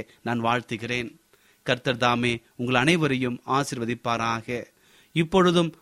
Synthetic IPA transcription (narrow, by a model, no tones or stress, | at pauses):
naːnʋaːɻt̪ɯɣɪreːn | kɐɾt̪ɐɾðaːmeː | ʊŋɡɐɭɐnɐɪʋɐɾɐjɯmaːsɪɾʋɐðɪpːaːɾaːɣɐ | ɪpːɔɻɯðɯm